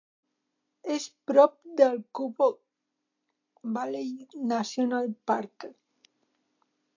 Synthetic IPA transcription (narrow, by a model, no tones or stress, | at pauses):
espɾɔp̚d̪elkupo | balejnasjonalpaɾk